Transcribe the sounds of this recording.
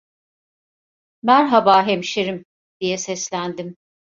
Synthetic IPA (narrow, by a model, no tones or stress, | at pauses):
mæɾɦabaːɦemʃeɾim | d̪̥ijɛsɛslʲænd̪im